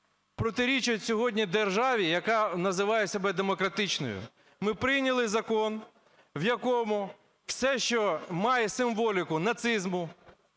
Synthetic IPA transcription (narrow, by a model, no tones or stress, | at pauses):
pɾɔt̪ɪɾʲit͡ʃʊtʲsʲɔɦɔdʲnʲid̪erʒɑʋʲijɐkɑnɐzɪʋɑjɛsʲɐbɛd̪emɔkɾɐt̪ɪt͡ʃnɔ̰jʊ̰ | mɪpɾɪjnʲɐlˠɪzɐkɔn | wjɐkɔmʊ | wsɛʃt͡ʃɔmɑjɛsɪmʋɔlʲɪkʊnɐt̪sɪzmʊ